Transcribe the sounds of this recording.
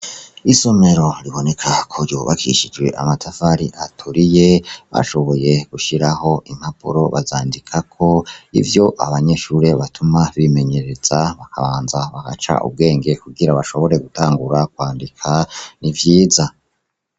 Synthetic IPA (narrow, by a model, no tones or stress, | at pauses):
iso̞me̞ɾo̞ɾiβo̞ne̞kʰakʰoɾjoβakʰḭʃid͡ʒwe̞̰ʔa̰matʰafaɾiʔatʰuɾije̞βa̰ʃo̞βo̞je̞ɡ̥uʃiɾaho̞ʔim̥hapṵɾo̞βa̰zaːndikʰakʰo̞ḭvjo̞ʔa̰βaɲe̞ʃuːɾe̞βatumaβime̞ɲe̞ɾe̞z̥aβakʰaβaːnzaβaka̰t͡ʃa̰ʔṵb̚ɡe̞ːŋɡe̞kuɡiɾaβaʃo̞βo̞ɾe̞ɡutaːŋɡuɾakwaːndikʰanivjiːza